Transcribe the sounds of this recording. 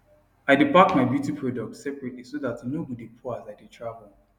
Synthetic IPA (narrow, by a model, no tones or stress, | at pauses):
aɪdipaktmaɪbjutipʰɹɔdɔk̚tsɛpɹɛtlisoðatnobɔdipʰɔazaɪditʰɹavəlˠ